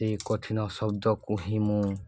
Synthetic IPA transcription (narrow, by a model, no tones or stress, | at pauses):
ikɔtʰinɔsɔb̚dɔkuɦĩmũ